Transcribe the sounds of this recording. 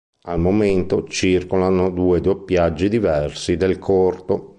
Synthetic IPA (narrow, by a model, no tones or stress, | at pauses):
almoment̪ot͡ʃirkolanod̪uːed̪uepjad͡ʒːid̪ivɛrsid̪elkʰɔrt̪o